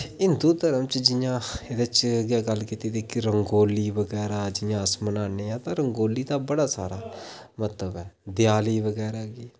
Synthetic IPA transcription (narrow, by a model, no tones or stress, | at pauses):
ɪnd̪uːd̪əɾəmt͡ʃd͡ʒɪjãːed̪ət͡ʃɡaːɡəlːkiːt̪eːd̪ekiɾəŋɡoːliːʋəɡɛːɾaːd͡ʒɪjãːəsmənaːneːãːt̪ãːɾəŋɡoːliːt̪ãːbəɽaːsaːɾaːmət̪ləbɛːd̪ɪjaːliːʋəɡɛːɾaːɡiː